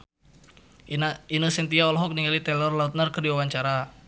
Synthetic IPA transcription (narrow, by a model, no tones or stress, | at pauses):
inəsɛnt̪iaɔlɔɦɔk̚niŋɡalit̪ɛlɔrlaut̪̚nərkərdiwawaɲt͡ʃaɾa